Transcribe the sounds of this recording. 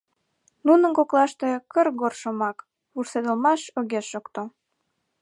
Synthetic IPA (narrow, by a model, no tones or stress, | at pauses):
nunənkoklɑʃt̪e̽kərɡorʃomɑk | βursed̪ə̆lmɑʃoɣeʃokt̪o